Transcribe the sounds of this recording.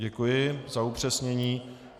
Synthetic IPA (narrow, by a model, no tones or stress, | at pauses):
ɟɛkujɪzaupr̝̥ɛsɲɛɲiː